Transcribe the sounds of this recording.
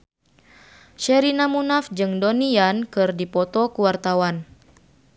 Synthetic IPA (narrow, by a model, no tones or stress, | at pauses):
ʃɛɾinamunafd͡ʒɨŋdɔniankɨrdipɔt̪ɔkuwart̪awan